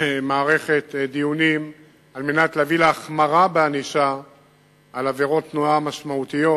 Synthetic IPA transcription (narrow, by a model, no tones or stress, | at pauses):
maːʁe̞χet̪d̪ijunim | almenat̪leːvileaχmaʁabeaniʃa | alaveʁo̞t̪ːnuamaʃmaut̪ijo̞